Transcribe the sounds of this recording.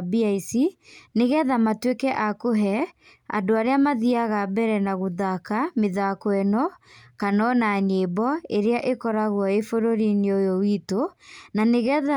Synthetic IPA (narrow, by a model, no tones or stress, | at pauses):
biaisineɣɛðamatwekɛʔakoɦɛ | a̰doaɾeamaðiaɣabɛɾɛnaɣoðakameðakwɛnɔkanɔnaɲebɔeɾeaʔekɔɾaɣwɔefoɾoɾineojowitonaneɣɛða